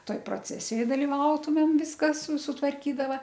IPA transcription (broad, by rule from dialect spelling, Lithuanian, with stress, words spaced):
ˈtoːj proːˈt͡sʲæːsʲɪjoːj dɐlʲɪˈʋɐʊtʊmʲeːm ˈʋʲɪskɐs sʊtʋɐrʲˈkʲiːdɐʋɐ